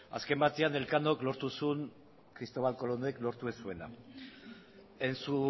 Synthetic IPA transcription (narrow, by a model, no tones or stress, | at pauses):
a̰ske̞mbat̪iane̞lkano̞klo̞ɾt̪usun | kɾist̪o̞β̞alko̞lo̞noeklo̞ɾt̪uesue̞na̰ | e̞nsu